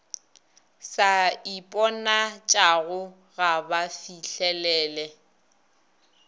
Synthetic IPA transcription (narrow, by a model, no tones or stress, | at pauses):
saipʼɔnat͡ʃʼaɣʊ | ɣabafiɬɛlɛːlɛ